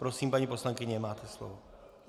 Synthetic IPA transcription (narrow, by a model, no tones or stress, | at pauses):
pɾosiːmpaɲipo̞slaŋkɪɲɛmaːt̪ʰɛslo̰vo